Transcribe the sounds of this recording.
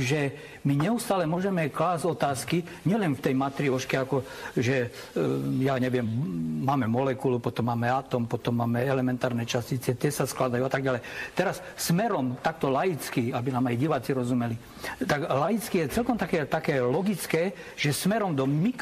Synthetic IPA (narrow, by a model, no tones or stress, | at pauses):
ʒɛ | miɲɛust̪aːlɛmʊɔʒɛmɛklaːzɟɔt̪aːski | ɲɪɛlɛnft̪ɛjmat̪ɾiɔʃkɛakɔʒɛ | jaɲɛʋɪɛmːaːmɛmɔlɛkulupɔt̪ɔmːaːmɛat̪ɔmpɔt̪ɔmːaːmɛɛlɛmɛnt̪aːɾnɛt͡ʃascit͡sɛt̪ɪɛsasklad̪ajuat̪aɡ̚ɟalɛjt̪ɛɾas | smɛɾɔmt̪ak̚t̪ɔlajit͡skiabinaːmajɟiʋaːt͡siɾɔzumɛli | t̪aɡlajit͡skijɛt͡sɛlkɔmt̪akɛːt̪akɛːlɔɡit͡skɛː | ʒ̥ɛsmɛɾɔmd̪ɔmik